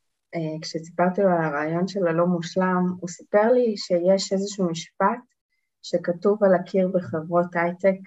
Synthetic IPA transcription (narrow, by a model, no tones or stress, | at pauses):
ekʃesi̥paʁt̪ialaʁaːjo̞nʃe̞lalomuʃlamusi̥pe̞ʁliʃejeʃe̞zeʃuːmiʃpat | ʃe̞katuvalakʰiʁbeχevʁo̞tajtek